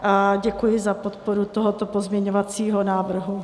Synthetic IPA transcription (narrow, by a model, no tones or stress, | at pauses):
ʔaɟɛkujɪzapot̪poɾut̪oɦot̪opozmɲɛɲovat͡siːɦonaːvr̩ɦu